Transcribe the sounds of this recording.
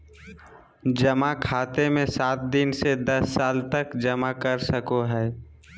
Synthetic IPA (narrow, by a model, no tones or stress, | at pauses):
d͡ʒəmakʰaːt̪emẽsaːt̪̚d̪ɪnsed̪ɐsːaːlt̪əkd͡ʒəmakəɾsəkoɦɛː